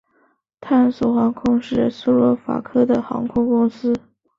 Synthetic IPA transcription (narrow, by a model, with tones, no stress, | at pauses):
t̪ʰa˥˩nsu˨˩xɑ˧˥ŋkʰʊ˥ŋʂɻ̩˥˩su˥lɔ˧˥fa̰˨˩kʰɤ˥d̪ə˨xɑ̰˧˥ŋkʰʊ˥ŋkʊ˥ŋsɹ̩˥